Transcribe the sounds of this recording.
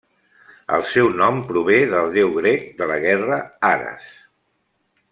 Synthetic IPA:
ə̰lˠsɛwnɔmpɾuβ̞eðəlˠd̪ewɣɾek̚d̪ələɣɛrəaɾə̰s

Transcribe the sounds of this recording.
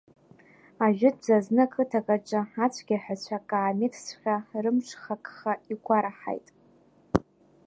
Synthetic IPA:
aʒᶣɪd͡ʒaznɨkʰɨtʰakʼaʈ͡ʂʼɨat͡ɕʷʰɡʲaħat͡ɕʷʰakʼaːmɪtʰsχʲarɨmʂʷχakʼχaikʷʰaɾaħa̰jtʼ

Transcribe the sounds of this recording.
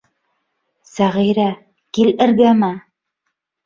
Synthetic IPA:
sæʁiɾæ | kilɘ̆ɾɡæmæ

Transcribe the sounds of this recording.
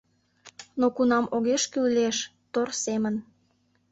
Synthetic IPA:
nokunɑmʔoɣeʃkylleʃ | t̪orsemən

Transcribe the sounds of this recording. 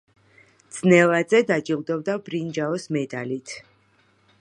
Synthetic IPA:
d̪z̥nɛlad̪zɛd̪ad͡ʒiʁd̪ɔbd̪abɾind͡ʒaɔsmɛd̪alit̪ʰ

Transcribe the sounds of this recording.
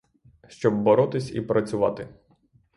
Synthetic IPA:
ʃt͡ʃɔbːɔɾɔt̪ɪsʲḭpɾɐt͡sʲʊʋɑ̰t̪ɪ

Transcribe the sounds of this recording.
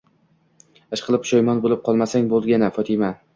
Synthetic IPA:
aʃqʰɨlˠɪpʰʃɒjmɒnbolɪp̚qʰɒlˠmasaŋbolˠɡʲanɪfɒt̪ʰɪma

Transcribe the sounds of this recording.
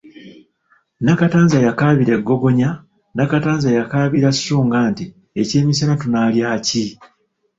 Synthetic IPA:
nakataːnzajakaːβiɾe̞ɡːo̞ɡo̞ɲa | nakataːnzajakaːβiɾasːuːŋɡaːnti | e̞ce̞ːmis̬anatunaːljaːci

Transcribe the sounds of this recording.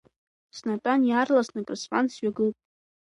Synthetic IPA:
snatʷʼanjaːrlasnɨkʼrɨsfʼansɥaɡɨlpʼ

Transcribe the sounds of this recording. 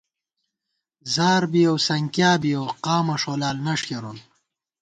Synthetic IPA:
zaːɾbijowsɐŋkjaːbijowqɑːmɐʂoːlaːlnɐʂkeɾun

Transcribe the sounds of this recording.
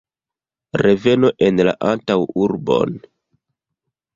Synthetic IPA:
ɾe̞ve̞noʔe̞nla̰ʔantawuɾbo̞̰n

